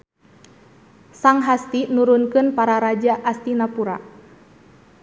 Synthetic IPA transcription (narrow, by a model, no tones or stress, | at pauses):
saŋɦast̪inuɾunkɨnpaɾaɾad͡ʒaʔast̪inapuɾa̰